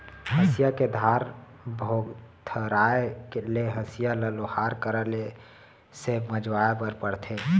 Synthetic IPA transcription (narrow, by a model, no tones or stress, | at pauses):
ɦəsjaked̪ʱaɾ | bʱoɡt̪ʰəɾaekeleɦəsijaləlohaɾkəɾəle | seməd͡ʒwaepəɾpəɽt̪ʰe